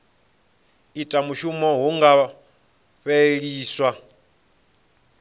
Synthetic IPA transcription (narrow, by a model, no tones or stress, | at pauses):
itʼamuʃumɔɦuŋɡa | ɸɛɺiːswa